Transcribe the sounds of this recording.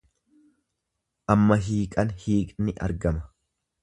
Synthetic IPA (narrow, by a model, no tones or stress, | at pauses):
ʔɐmːɐɦiːkʼɐnhiːkʼnɪʔɐ̰ɾɡɐmɐ̥